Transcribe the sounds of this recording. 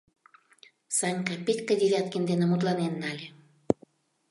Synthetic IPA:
sɑnʲkɑpʲet̪ʲkə̆d̪ʲeβʲɑt̪kind̪enemut̪lɑnenːɑlʲe

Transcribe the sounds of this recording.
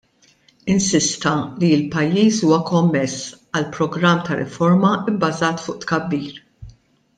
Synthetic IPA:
ɪnsɪst̪ɐliɪlpɐjːiːsuːwɐkɔmːɛs | ɐlpɾɔɡɾɐmːt̪ɐɾɪ̰fɔɾmɐɪbbːɐzɐːt̪fʊːʔt̪kɐbːiːɾ

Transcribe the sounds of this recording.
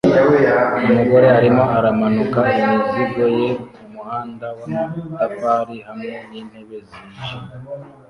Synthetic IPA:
umuɡo̞ɾe̞haɾimo̞ʔaɾamanukaimiziɡojeumuhaːndawamatapaɾihamŋeniːn̥he̞βe̞ziːʒi

